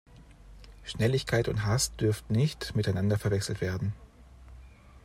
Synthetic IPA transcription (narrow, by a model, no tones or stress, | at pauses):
ʃnɛlɪçkʰaɪtʊ̰ntɦastd̥ʏɐftn̩nɪçtmɪtaɪnandɐfɛɐvɛksl̩tv̥eːɐdn̩